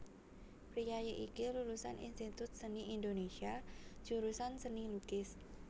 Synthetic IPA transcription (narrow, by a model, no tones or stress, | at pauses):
pɾijajəʔikilulusa̰nʔḭnst̪it̪ʊt̪̚səniʔindonesiḁd͡ʒ̥uɾusansənilukɪs